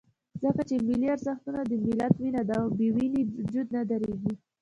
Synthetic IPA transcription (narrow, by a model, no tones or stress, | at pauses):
zəkat͡ʃemɪliaɾzaxt̪unad̪əmɪlat̪winad̪abewinid͡ʒud̪nad̪aɾeɡi